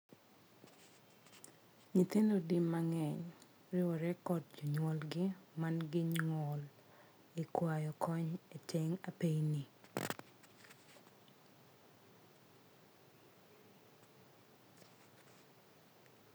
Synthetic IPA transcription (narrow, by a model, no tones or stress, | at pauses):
ɲit̪endodimːaŋɛɲ | ɾɪwɔɾɛkɔt̚d͡ʒɔɲwɔlɡɪmanɡɪɲŋɔl | ikwajɔkɔɲetʰeŋapejni